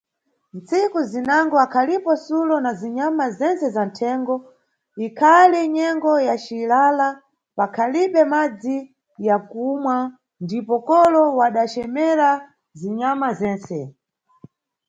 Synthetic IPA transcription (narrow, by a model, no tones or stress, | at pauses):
n̩t͡sikuzinaŋɡɔakʰalipɔsulɔnaziɲamazɛnsɛzan̩tʰɛŋɡɔ | ikʰaliɲɛŋɡɔjat͡ʃilala | pakʰaliɓɛmad͡zi | jakumwa | ndipɔkɔlɔwaɗat͡ʃɛmɛɾa | ziɲamazɛːnsɛ